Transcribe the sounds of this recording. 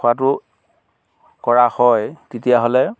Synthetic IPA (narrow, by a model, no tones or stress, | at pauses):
wat̬ʊ | kɔɹahɔjtetijaɦolɛ